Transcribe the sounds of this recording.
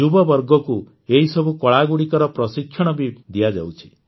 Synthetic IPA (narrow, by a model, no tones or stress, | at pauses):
ubɔbɔɾɡɔku | eɦisɔbʱukɔɭaɡuɽikɔɾɔpɾɔsikʰːjɔɽ̃ɔbid̪iad͡ʒa̰wt͡ʃʰi̥